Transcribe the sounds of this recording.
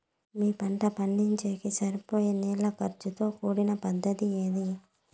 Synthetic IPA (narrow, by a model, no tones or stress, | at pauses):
miːpɐɳʈɐpɐɳːiɲt͡ʃeːkisɐɾipo̞ːjeniːlːɐkɐɾt͡ʃut̪o̞ːkuːɽinɐpɐd̪ːɐt̪ieːd̪i